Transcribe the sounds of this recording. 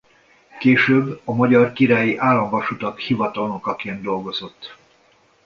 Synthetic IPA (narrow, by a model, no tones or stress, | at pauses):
keːʃøːbːɒmɒɟɒrkiɾaːjiʔaːlːɒɱvɒʃut̪ɒkhivɒt̪ɒlnokɒkeːnd̪o̞lɡo̞zo̞t̪ː